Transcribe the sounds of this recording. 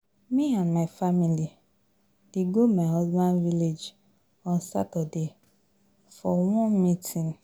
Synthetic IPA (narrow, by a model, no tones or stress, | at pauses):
miãnmaɪfamili | d̥eɡomaɔzbãnviled͡ʒ | ɔ̃n̩sa̰tɔde | fɔwɔ̃nmitʰĩn